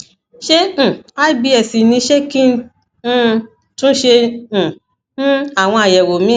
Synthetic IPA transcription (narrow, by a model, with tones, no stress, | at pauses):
ʃẽ˧˨a˦bi˧ɛ˨si˨nĩ˧˦ʃe˦kĩ˦n̩˦˧˦ | tũ˦ʃẽ˧˨˦ | a˦˨w̃ɔ̃˧a˨jɛ˨wo˨mĩ˨˦